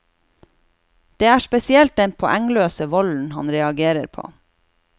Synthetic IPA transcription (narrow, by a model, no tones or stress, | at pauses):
d̪̥eːæːʃpɛsɪɛlt̪̚d̪ɛnpʰɔʔæŋløːsəʋɔln̩hɑnɾɛɑɡeːɾə̰ɾpʰo̰ː